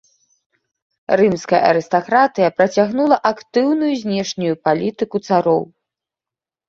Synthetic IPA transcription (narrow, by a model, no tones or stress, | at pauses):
rɨmskɐjɐ̰ʔɐ̰ɾɨst̪akɾat̪ɨjɐpɾɐt͡sʲaɣnulˠɐʔakt̪ɨwnujuzʲnʲɛʂnʲujupalʲit̪ɨkut̪saɾɔw